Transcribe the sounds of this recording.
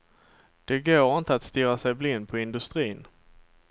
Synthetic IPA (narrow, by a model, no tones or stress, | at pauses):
d̪̥ɛɡoːɾɪnt̪əat̪st̪ɪɾasɛjblɪnːpʰɔɪnd̪ɵst̪ɾiːn